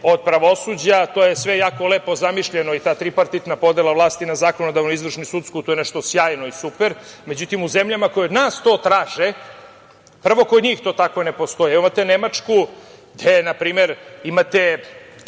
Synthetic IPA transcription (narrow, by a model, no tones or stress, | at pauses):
o̞d̪̚pɾaʋo̞suːd͡ʑat̪oːjesʋejaːkoleːpo̞zamiʃʎeno̞it̪aːt̪ɾipaɾt̪it̪napo̞d̪elˠaʋlˠaːst̪inazaːko̞nod̪aʋnoizʋr̩ʂnisut̪skut̪ojneʃt̪osjaːjno̞isupeɾme̞d͡ʑut̪imuzemʎamako̞jonaːst̪o̞ːt̪ɾaːʒe | pr̩ʋo̞ko̞d̪ɲiːxt̪o̞ːt̪akʋone̞po̞st̪o̞jeimat̪enemat͡ʂku | d̪enapɾiːme̞ɾimat̪e